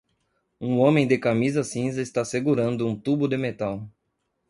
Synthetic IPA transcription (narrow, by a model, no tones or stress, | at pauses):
ũõmẽj̃d̪ɪkamizɐsĩzɐɪst̪aseɡuɾɐ̃nd̪ʊũt̪ubʊd̪emet̪aw